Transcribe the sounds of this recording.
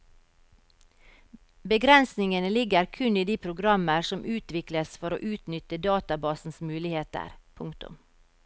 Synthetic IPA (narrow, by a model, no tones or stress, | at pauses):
bəɡɾɛnsnɪŋənəlɪɡəɾkʰʉniːd̪iːpʰɾʊɡɾɑməɾsɔmʔʉːt̪ʋɪkləsfɔɾo̰ːʔʉːt̪nʏt̪əd̪ɑːt̪ɑbɑːsn̩smʉːlɪheːt̪ə̰ɾpʰʊŋkt̪ʊ̰m